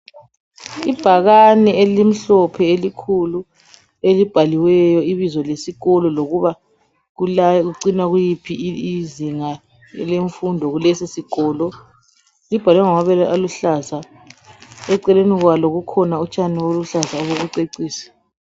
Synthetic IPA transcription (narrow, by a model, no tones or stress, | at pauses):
ib̥ʱaɣanɛelim̩ɬɔpʰɛelikʰulu | elib̥ʱaliwɛjɔiβizɔlesiɣɔlɔloɣuβa | ɣulaɣuǀinaɣujipʰiiziŋa | ɛ̰leɱfundʱɔɣulɛsisiɡ̥ʱɔːlɔ | lib̥ʱalwaŋɔŋaβɛlʔaluɬaza | ɛǀɛleniɣwaloɣukʰɔnaut͡ʃʼaniwoluɬazaoɣuɣuǀeǀiːsi̥